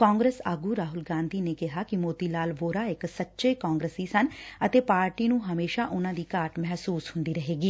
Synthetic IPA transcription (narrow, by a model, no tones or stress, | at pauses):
kãːŋɡɾeːsaːɡuːɾaːɦʊlɡãːnd̪ʱiːneːkɪɦaːkɪmoːt̪iːlaːlʋoːɾaːɪksətːʃeːkaːŋɡɾəsiːsənət̪eːpaːɾʈiːnũːɦəmeːʃaːʔʊnãːd̪iːkaːɾʈmɛɦsuːshʊ̃nd̪iːɾəɦeːɡiː